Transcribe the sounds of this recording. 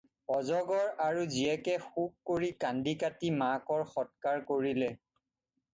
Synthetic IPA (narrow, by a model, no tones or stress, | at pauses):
ɔzɔɡɔɹaɹuziɛkɛxukːkoɹikandikatimakɔɹxɔt̚kaɹkoɹilɛ